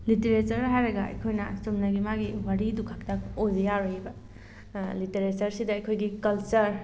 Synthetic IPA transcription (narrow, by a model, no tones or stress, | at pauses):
liteɾet͡ʃɐɾɦajɾɐɡaɐ̰jkʰojnɐsomnɐɡimaɡiwaɾidukʰak̚takozjaɾojbɐ | liteɾet͡ʃɐɾsidɐːjkʰojɡikɐlt͡ʃɐɾ